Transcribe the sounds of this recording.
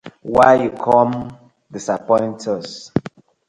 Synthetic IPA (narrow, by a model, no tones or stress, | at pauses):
wajukʰɔm | disapɔ̃ɪ̃ntʰɔs